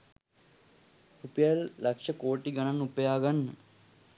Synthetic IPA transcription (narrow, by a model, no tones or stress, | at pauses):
rupəjalːakʂəkoːʈiɡananupəjaːɡanːə